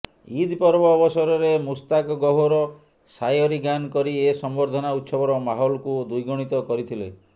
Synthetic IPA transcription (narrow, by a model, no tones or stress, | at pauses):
id̪ʱpɔɾbɔːbɔsɔɾɔɾemust̪akɔɡɔɦoɾɔ | sajɔɾiɡankɔɾiesɔmboɾd̪ʱɔnaut̪sɔbɔɾɔmaɦɔlɔkud̪ujɡɔɽ̃it̪ɔkɔɾit̪ʰilḛ